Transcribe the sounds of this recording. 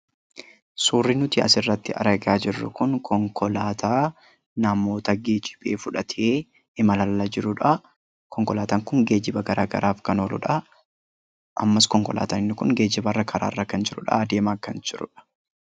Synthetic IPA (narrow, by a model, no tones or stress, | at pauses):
suːrːinʊt̪ɪɐ̰sɪrːɐt̪ːɪʔɐ̰ɾɐɡaːd͡ʒɪrːʊ̰kʊnkʰɔŋkɔlaːt̪ʰaː | nɐmo̞ːt̪ɐɡeːd͡ʒɪ̥b̥e̞̰ːfʊᶑɐt̪ʰeː | ɪmɐlɐlːɐd͡ʒɪɾʊᶑɐ | kɔŋkɔlaːt̪aːŋkʊŋɡe̞ːd͡ʒɪbɐɡɐɾaːɡɐ̰ɾʔaːfkɐnoːlʊ̰ᶑɐ | ʔɐmːɐskɔŋkɔ̰la̰ːt̪ɐnɪnːɪkʊŋɡe̞ːd͡ʒɪbɐrːɐkʰɐɾa̰ːrːɐkɐnd͡ʒɪɾʊᶑɐ̰ːd̪e̞ːmaːkːɐnd͡ʒɪɾʊ̰ᶑɐ̥